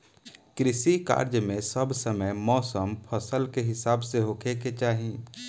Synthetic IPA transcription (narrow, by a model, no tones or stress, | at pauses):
kɾɪsika̰ːɾd͡ʒmẽsəbsəməjmɔːsəmpʰəsəlkeɦɪsaːbseɦoːkʰeket͡ʃaːɦĩː